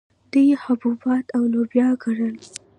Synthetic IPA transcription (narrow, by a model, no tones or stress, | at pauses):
d̪̥ujehʊbubɑt̪awlobjɑɡaɽəl